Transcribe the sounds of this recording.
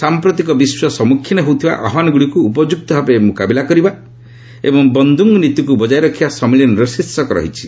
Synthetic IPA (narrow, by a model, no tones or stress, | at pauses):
sampɾɔt̪ikɔbiswɔsɔmukʰːinɔɦewt̪ʰiba̰ʔa̰ɦmanɔɡuɽikuːpɔd͡ʒuk̚t̪ɔbʱapemukabilakɔɾiba | ḛbɔŋbɔnd̪ʱuŋɡɔnit̪ukubɔd͡ʒaiɾɔkʰibasɔmiljɔnɔɾɔsisːɔkɔɾɔ̰ɦit͡ʃʰi̥